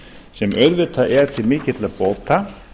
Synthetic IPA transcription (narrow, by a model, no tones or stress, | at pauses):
sɛmœðvɪt̪ʰaʔɛɾ̥t̪ʰɪlmɪːcɪt̪lapoːwt̪ʰa